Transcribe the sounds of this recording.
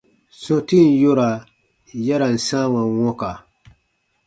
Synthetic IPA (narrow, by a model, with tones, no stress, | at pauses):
sɔ̃˦ti˦˨n˦jo˦ɾa˨ | jɛ˦ɾa˨n̩˨sã˦wa˨wɔ˦ka˨